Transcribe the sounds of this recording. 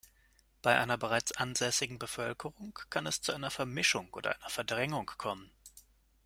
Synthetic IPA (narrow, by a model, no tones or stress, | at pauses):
b̥aɪʔa̰ɪnɐbəʁaɪt͡sʔanzɛsɪɡŋ̩bəfœlkʰəʁʊŋkʰːanɛst͡suʔaɪnɐfɛɐmɪʃʊŋʔo̰ːdɐ̰ʔa̰ɪnɐfɛɐdʁɛŋʊŋkʰːɔmən